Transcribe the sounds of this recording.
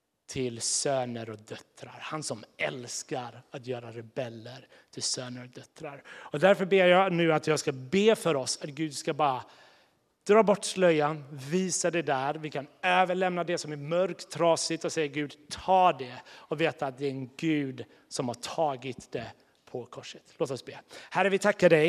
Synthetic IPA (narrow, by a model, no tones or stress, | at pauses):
t̪ʰɪlsøːnəɾɔk̚d̪œt̪ɾa̰ɾhansɔmɛlskaɾat̪jœːɾaɾɛbɛlːəɾ | t̪ʰɪlsøːnəɾɔk̚d̪œt̪ɾaɾɔd̪æɾfœbeːɾjɑnʉ̟ːat̪jɑːɡskabeːfœɾɔsat̪ɡʉ̟ːd̪skabɑːɾa | d̪̥ɾɑːbɔʈːslœjːanviːsad̪ɛd̪æɾvɪkʰanøːvəɭɛmnad̪ɛsɔmæɾmœɾkt̪ʰːɾɑːsɪt̪ɔsɛjːaɡʉ̟ːd̪t̪ʰɑːd̪ɛɔveːt̪aːt̪̚d̪ɛæɾɛnɡʉ̟ːd̪ | sɔmhaʈʰɑːɡɪt̪d̪̥ɛ | pʰɔkʰɔʂːə̥t̪loːt̪ɔsbeːhæɾəvɪt̪ʰakːaɖɛj